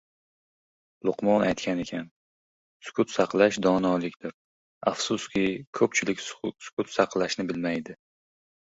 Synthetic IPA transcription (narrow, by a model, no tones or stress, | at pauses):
lˠʊqmɒnajt̪kʲanekʲʰan | sʊ̥kʰʊt̪sɑqlˠaʃd̪ɒnɒlˠɪkʲt̪ɪɾ | ɑfsʊskʲɪkʰɵp̚t͡ʃʰɪlɪkʲsʊ̥kʰʲʊt̪sɑqlˠaʃnɪbɪlmajd̪ɪ